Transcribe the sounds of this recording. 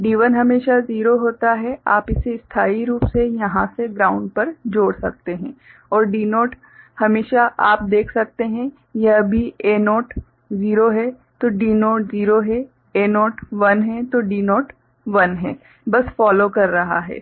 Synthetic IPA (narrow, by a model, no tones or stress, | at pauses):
ɖiːʋənɦɐmeːʃaziːɾoɦoːt̪aɦɛaːpɪseɪst̪ʰaːiɾuːpsejɐɦãseɡɾaːʊ̃ɳɖ̚pɐɾd͡ʒoːɽsɐk̚t̪eɦɛ̃ː | ɔːɾɖiːnoːʈ | hɐmeːʃaʔaːp̚d̪eːkʰsɐk̚t̪eɦɛ̃ | jɐbʱieːnoːʈ | ziːɾoɦɛ | t̪oɖiːnoːʈziːɾoɦɛ | eːnoːʈʋɐnɦɛt̪oɖiːnoːʈ | ʋɐnɦɛː | bɐsfɔːlokɐɾːɐɦa̰ɦɛ̰ː